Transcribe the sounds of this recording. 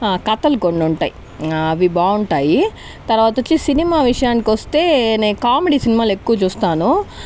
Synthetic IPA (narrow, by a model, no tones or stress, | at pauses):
akɐt̪ɐlukoɳɖuɳʈa̰ːji | ɐʋibaːuɳʈaːji | t̪ɐɾʋaːt̪ɐot͡ʃːisinimaːʋiʂɐjaːnikiʋɐst̪e̞ːneːkaːmeɽiːsinimaːlekːuʋɐt͡ʃuːst̪aːnu